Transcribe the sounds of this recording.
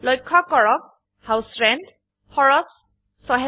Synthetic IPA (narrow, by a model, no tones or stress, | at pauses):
lɔjkʰːɔkɔɹɔk̚ | hawsɹɛnd | fɔɹɔs | sɔɦɛ